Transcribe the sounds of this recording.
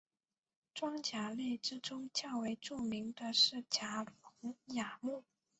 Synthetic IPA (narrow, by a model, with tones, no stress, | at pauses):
ʈ͡ʂwɑ˥ŋt͡ɕja˧˥li˥˩ʈ͡ʂɻ̩˥ʈ͡ʂʊ˥ŋt͡ɕjɑ˥˩ʊwe˧˥ɪʈ͡ʂu˥˩mi˧˥ŋd̪ə˧ʂɻ̩˥˩t͡ɕja˧˥fɤ˧˥ŋja˨˩mu˥˩